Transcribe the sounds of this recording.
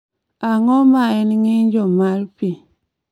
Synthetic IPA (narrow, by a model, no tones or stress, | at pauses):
aŋomajeniŋind͡ʒomalpi